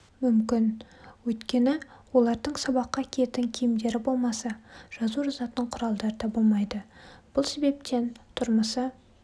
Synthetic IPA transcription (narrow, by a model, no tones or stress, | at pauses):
mʏmkʲɪnwɵjt̪kʲe̞nɪwolˠɑɾd̪əɴsɑbɑqːɑkʲʰe̞t̪ɪŋkʲʰijɪmd̪e̞ɾɪbo̞lˠmɑsɑʒ̥ɑzuʒɑzɑt̪əɴqʰʊɾɑlˠd̪ɑɾəd̪ɑbolˠmɑjd̪əb̥ʊlˠse̞be̞p̚t̪e̞nt̪ʰʊɾməsə